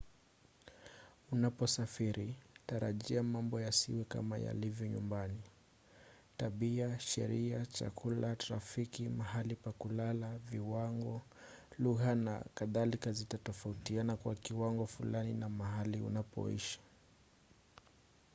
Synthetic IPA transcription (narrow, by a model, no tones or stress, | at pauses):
unapɔsafiɾitaɾaʄiamambɔjasiwɛka̰ma̰ja̰livjɔɲumbani | taɓiaʃɛ̰ɾiat͡ʃa̰kʰulataɾafikimahalipakulalaviwaŋɡɔ | luɣana̰kaðalikazitatɔfautianakwakiwaŋɡɔfulaninamaɦaliṵnapɔ̰ḭʃi̥